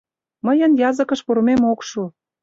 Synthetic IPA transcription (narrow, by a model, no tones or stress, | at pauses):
məjənjɑzə̆kə̆ʃpuɾmemokʃu